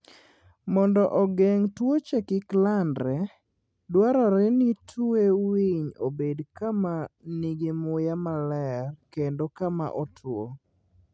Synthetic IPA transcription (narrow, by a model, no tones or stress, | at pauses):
mɔndɔʔɔɡeŋtwot͡ʃekɪklandɾɛ | dwaɾɔɾɛnitʰuewiɲobedkamaniɡemʊjamalɛrkendokama̰ʔɔtʰwo